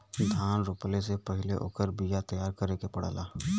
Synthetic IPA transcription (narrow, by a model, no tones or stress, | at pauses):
nd̪ʰʱaːnɾʊːplesepɐɦɪleʔo̰ːkəɾbijat̪ɐjaːɾkəɾekepɐɽa̰ːlaː